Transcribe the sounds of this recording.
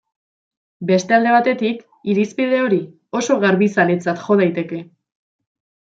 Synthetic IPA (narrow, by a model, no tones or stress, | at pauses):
be̞st̪e̞ald̪e̞β̞at̪e̞t̪ik | iɾispið̞e̞o̞ɾi | o̞so̞ɣaɾβisalet͡sat̪ʝo̞ð̞ajt̪e̞ke̞